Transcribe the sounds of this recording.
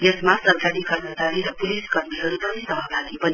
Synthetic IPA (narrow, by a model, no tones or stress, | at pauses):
jesmasʌɾkaɾikʌɾmʌt͡ʃaɾiɾʌpuliskʌɾmiɦʌɾut̪ʌnisʌɦʌɡalipʌni